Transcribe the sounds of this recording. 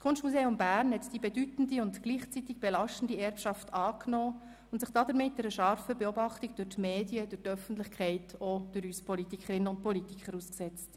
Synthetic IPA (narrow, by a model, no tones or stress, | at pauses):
skʰʊnʃtmuseːʊmbæːɾnhɛtd̥ibedytn̩diʊntɡ̥liːχt͡sitɪɡ̚b̥elɑʃtən̩diɛɾpʃɑftɑːknɔː | ʊntsɪχd̥ɑdəɾmɪt̚dɛɾəʃɑɾfəbeobɑχtiɡd̥ʊɾtmeːdiəd̥ʊɾtœfən̩tlɪχkʰɛɪtod̥ʊɾyspʰɔlitikʰəɾɪnːəʊnt̚pʰɔlitikχəɾusksɛt͡st